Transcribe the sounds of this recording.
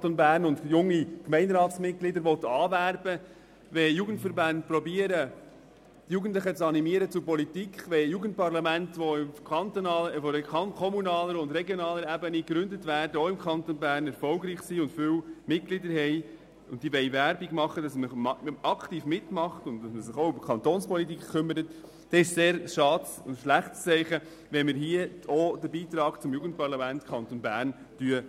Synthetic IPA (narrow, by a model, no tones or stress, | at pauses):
tonbæːɾnʊntjʊŋːikmɛɪndɾɑːtsmɪt̚ɡ̥lɪdəɾʋɔtɑːvæɾbə | ʋɛjuːɡən̩tfəɾbɑndpɾɔbiːəɾə | d̥ijuːɡən̩tləχət͡sɑnimiəɾət͡sʊpɔlitikχʋɛjuːɡənt̚pɑɾlɑmæntʋɔɪmkɑntːəfɔɾkkʰɔmunɑːləɾʊndɾɛɡjonɑːləɾæbənikɾʏndətʋæːɾdəoɪmkʰɑnt̪onbæːɾnɛɾfɔlɡɾiːχsiʊndfʏwmɪt̚ɡ̥lɪdəɾhɛj | ʊntd̥̪iːʋɛɪvæɾbiɡmɑχːəd̥ɑsməmɑɑkʰtiːfmɪtmɑχtʊntdɑsməsɪχoʊbkχɑnt̪oːnspɔlitiːkkʰːʏmːəɾət | d̥ɛɪʃseːɾʃɑːdsʊ̰ndʃlæχtst͡sɛɪχə | ʋɛnmɪɾɦiəodəbiːt̪ɾɑːɡ̥t͡sʊmjuɡən̩t̚pɑɾlɑmæntkʰɑntonbæːɾn | d̥yə